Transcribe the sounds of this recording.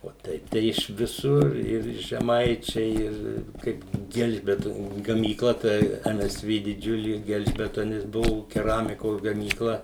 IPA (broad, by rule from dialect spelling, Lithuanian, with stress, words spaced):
oː ˈtʲɛɪp tɐɪ ɪʃ ʋʲɪˈsʊr ɪr ʒʲɛˈmɐɪt͡ʃʲɛɪ ɪr ˈkɐɪp ˈɡʲɛlʲʒʲbʲɛtoːnʲʊ ɡɐmʲiːˈklˠɐ tɐɪ ˈɛm ˈɛs ˈʋʲeː dʲɪˈd͡ʒʲʊlʲeː ˈɡʲɛlʲʒʲbʲɛtoːnʲɪs ˈbʊʋoː kʲɛˈrɑːmʲɪkoːs ɡɐmʲiːˈklˠɐ